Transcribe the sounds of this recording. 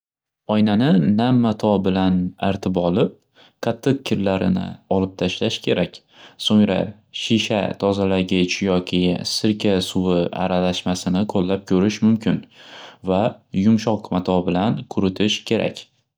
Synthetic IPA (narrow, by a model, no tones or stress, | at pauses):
ɒjnanɪnamːat̪ʰɒbɪlanaɾt̪ʰɪbɒlˠɪp̚ | qʰɑt̪ʰːɨq̚kʲʰːɪɾlaɾɪ̰nɪ̰ɒlˠɪp̚t̪ʰaʃlaʃkʲʰe̞ɾakʲ | soŋɾa̰ | ʃiʃa̰t̪ʰɒzalaɡʲɪt͡ʃʰjɒkʲʰɪsɪɾkʲʰasʊwɪa̰ɾalaʃmasɪnɪqʰolːap̚kʲʰɵɾɪʃmʊmkʲʰɪnvajʊmʃɒqmat̪ʰɒbɪlankʰʊɾɪt̪ʰɪʃkʲʰe̞ɾa̰kʲ